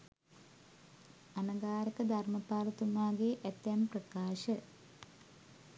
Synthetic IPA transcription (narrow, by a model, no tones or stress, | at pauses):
ɐnɐɡaːɾɐkəd̪ʱɐrmɐpaːlɐt̪umaːɡeʔɛt̪ːjmprɐkaːʃə